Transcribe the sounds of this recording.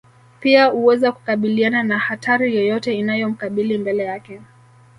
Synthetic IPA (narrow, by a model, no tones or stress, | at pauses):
piahuwɛzaku̥kaɓiliananahatʰaɾijɔjɔtɛinajɔm̩kaɓilimbɛlɛjakɛ